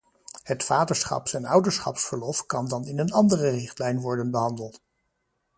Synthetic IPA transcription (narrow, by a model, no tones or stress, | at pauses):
hətfaːdəɹsχɑ̰psɛnʌwdəɹsχɑ̰psfəɹlɔfkɑndɑnɪnənɑndərərɪχtlɛjnʋɔɹdənbəɦɑndəlˠt